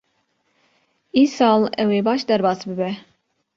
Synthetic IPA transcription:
iːsɑːlˠɛweːbɑʃd̪ɛɾbɑːsbɨbɛ

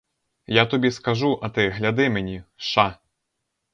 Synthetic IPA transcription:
jat̪ɔbʲiskɐʒuʔɐt̪ɪɦlʲɐd̪ɪmenʲiʃa

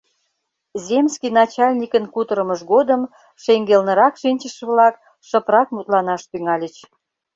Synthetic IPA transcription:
zʲemskinɑt͡ɕɑlʲnʲikənkut̪əɾə̆məʃɡod̪əm | ʃeŋɡelnə̆ɾɑkʃinʲt͡ɕə̆ʃə̆βlɑk | ʃəprɑkmut̪lɑnɑʃt̪yŋɑlʲət͡ɕ

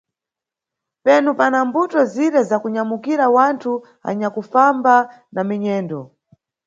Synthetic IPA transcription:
pɛnupanambutɔziɾɛzakuɲamukiɾawantʰu | a̰ɲakufamba | namiɲɛːndɔ

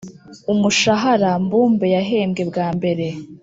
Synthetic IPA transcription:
umuʃaɦaɾambuːmbejaɦe̞ːmɡe̞bɡaːmbe̞ɾe̞

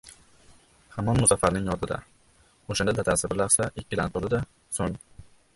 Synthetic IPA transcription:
hamɒnmʊzafaɾnɪŋjɒt̪ʰɪd̪a̰ | oʃand̪ad̪at̪ʰasɪbɪɾlasaɪkʲʰːɪd̪ant̪ʰolɪd̪a | soŋ

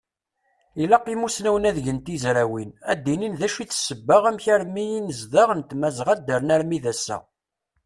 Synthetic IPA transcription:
ilæqːimusnæwənæðʝənt̪izɾæwinæd̪ːininðæʃiθsəbːəʁæmçæɾmijinəzðəʁənt̪mæzʁæd̪ːəɾnæɾmiðæsːæ̰

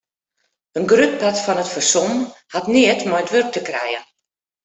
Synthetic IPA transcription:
ənɡryt̚patfɔnətfərsɔmhatniətmɔjətʋørk̚təkrɛ̰jən

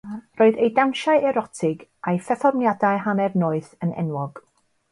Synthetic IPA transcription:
roːɨðejdawnʃaɨɛɾɔtʰɪɡajfɛθɔrmnjadajɦanɛvnoːɨθənɛ̰nwɔɡ̥

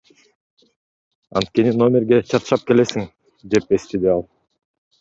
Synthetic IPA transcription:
ɑ̰nt̪ke̞nino̞mʲeɾɡʲe̞t͡ʃʰɑt̪ɯ̥ʃɑp̚ke̞le̞siŋ | d̪e̞pe̞st̪ed̪iɑlˠ

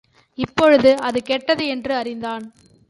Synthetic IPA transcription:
ɪpːɔɻɯðɯɐðɯkeːʈːɐðɯɛndrɯɐrɪnd̪aːn

